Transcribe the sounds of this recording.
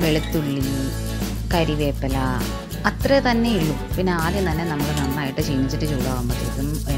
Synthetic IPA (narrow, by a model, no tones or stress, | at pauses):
ʋeɭit̪ːuɭːi | kɐɾiʋeːpːɐlɐ | ɐt̪ret̪ɐnːe̞iɭːupinːe̞aːd̪jɐmt̪ɐnːenɐmːɐɭɨnɐnːaːjiʈːɨt͡ɕejːnːit͡ɕːiʈːɨt͡ɕuːɽaːɣumbɐt̪ːiðum